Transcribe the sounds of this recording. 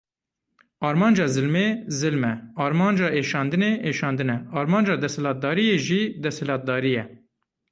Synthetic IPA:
ɑːɾmɑːnd͡ʒɑːzɨlmezɨlmɛɑːɾmɑːnd͡ʒɑːʔeːʃɑːnd̪ɨneːʔeːʃɑːnd̪ɨnɛɑːɾmɑːnd͡ʒɑːd̪ɛshɛlɑːt̪̚d̪ɑːɾijeːʒid̪ɛshɛlɑːt̪̚d̪ɑːɾijɛ

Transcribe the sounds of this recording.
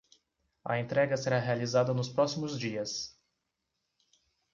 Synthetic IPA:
ɐ̰ẽnt̪ɾɛɡɐseɾaɦealizad̪ɐnʊspɾɔsimʊzd͡ʒiɐs

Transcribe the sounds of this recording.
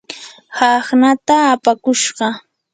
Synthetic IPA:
hɑχnat̪aːpakʊʃɢɑ

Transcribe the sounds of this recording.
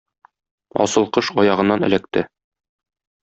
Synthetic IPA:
ɒ̰sɤ̆lˠqɤʃɒjɑʁɤ̆nːɑnɘ̆læk̚t̪ɘ

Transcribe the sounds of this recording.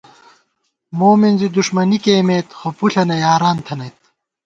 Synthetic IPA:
moːminzid̪uʂmɐnikeːmeːt̪xopuɬɐnɐjaːɾaːnt̪ʰɐnɐjt̪̚

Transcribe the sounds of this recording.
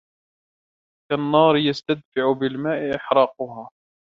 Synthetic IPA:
kanːɑːɾɪjast̪ad̪̚faʕʊbɪlmaːʔɪʔɪħɾˤɑːqʊɦaː

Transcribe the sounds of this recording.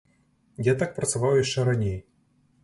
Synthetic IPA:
jat̪ak̚pɾɐt̪sɨvɑwjaʂt͡ʂɛɾɐnʲej

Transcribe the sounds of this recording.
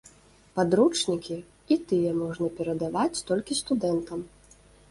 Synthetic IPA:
pad̪ɾut͡ʂnʲikʲi | it̪ɨjɛmɔʐnɐpʲɛɾɐd̪avat͡sʲt̪ɔlʲkʲist̪ud̪ɛnt̪ɐm

